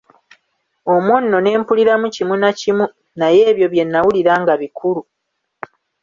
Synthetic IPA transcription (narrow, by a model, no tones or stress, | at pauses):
o̞mwonːo̞ne̞ːmpuliɾamucimunacimu | naje̞ːβjo̞βje̞nːawuliɾaːŋɡaβikʰulu